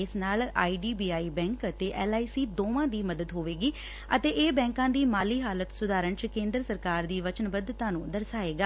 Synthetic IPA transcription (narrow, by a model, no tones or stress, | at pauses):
ɪsnaːla̰ːiːɖiːbiːaːiːbɛ̃ːŋkt̪eːʔɛːlaːiːsiːd̪oːʋãːd̪iːməd̪əd̪ɦoːʋeːɡiː | ət̪eːʔeːbɛ̃ːŋkãːd̪iːmaːliːɦaːlət̪sʊd̪aːɾəɳt͡ʃkẽːnd̪ɾsəɾkaːɾd̪iːʋət͡ʃənbəd̪t̪ãːnũːd̪əɾsaːeːɡaː